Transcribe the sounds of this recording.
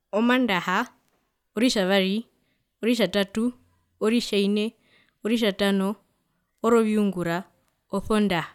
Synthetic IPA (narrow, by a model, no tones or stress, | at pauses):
omandaha | oɾiʃaβaɾi | oɾiʃ̬atatu | oɾiʃaine | oɾiʃ̬atanoː | ɾoβiuŋɡuɾa | oθondaha